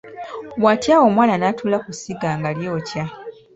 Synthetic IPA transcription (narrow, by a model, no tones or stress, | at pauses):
watjawo̞mwaːnanaːtulakusiɡaːŋɡaljo̞ːca